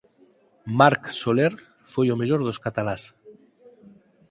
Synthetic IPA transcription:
maɾksoleɾ | fojomeʎoɾðoskat̪alas

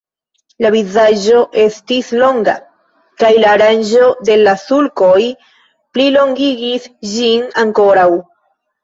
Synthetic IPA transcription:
lavizaʒo̞ʔe̞stislo̞ŋɡa | kajlaːɾand͡ʒo̞de̞lasulko̞j | plilo̞ŋɡiɡisʒinaŋko̞ɾaw

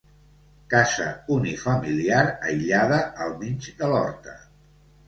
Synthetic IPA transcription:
kazə̰unifəmiliaɾə̰jʎaðəəlˠminʲd͡ʒd̪əlɔ̰ɾt̪ə

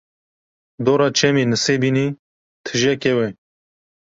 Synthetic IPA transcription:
d̪oːɾɑːt͡ʃʰɛmiːnɨseːbiːni | t̪ʰɨʒɛkewɛ

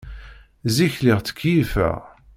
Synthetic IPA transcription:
ziçliʁt͡sːə̥kʰːjifæ̰

